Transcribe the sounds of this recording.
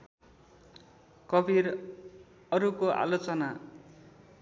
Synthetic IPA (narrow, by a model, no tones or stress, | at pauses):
kʌbiɾ | ʌɾukoʔa̰lot͡sʌna